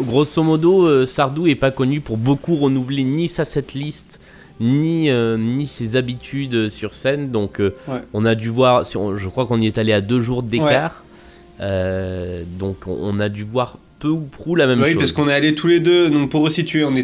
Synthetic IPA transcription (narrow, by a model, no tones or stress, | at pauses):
ɡʁosomɔd̪oøsaʁd̪uɛpakɔnypuʁbokuʁənuvlenisasɛt̪list̪ | niønisezabit̪ʰyd̪øsyʁsɛnd̪ɔ̃køwɛɔ̃nad̪yvwaʁsiɔ̰̃ʒəkχwakɔ̃niɛt̪alead̪øʒuʁd̪ekwaʁ | ø | d̪ɔ̃kɔ̰̃ɔ̰̃nad̪yvwaʁ | pøupχulamɛmʃwiopaʁskɔ̃nɛalet̪ʰuled̪ønɔ̃puʁːəsit̪ɥeɔ̃nɛ